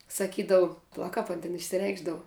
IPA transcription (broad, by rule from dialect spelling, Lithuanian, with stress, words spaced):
sɐˈkʲiːdɐʋʊ pɐˈlˠɐ ˈkɐp ɐn tʲɪn ɪʃʲsʲɪˈrʲɛɪɡʒdɐʋʊ